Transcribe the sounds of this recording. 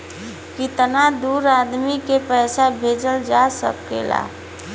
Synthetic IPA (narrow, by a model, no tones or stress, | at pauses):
kit̪ənad̪uɾad̪mikepəjsabʱed͡ʒəld͡ʒasə̰k̚kḛla̰